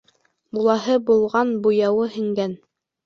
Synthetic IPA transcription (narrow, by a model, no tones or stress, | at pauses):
bulˠɑɦɤbulˠʁɑnbujɑwɤhɘ̆ŋɡæn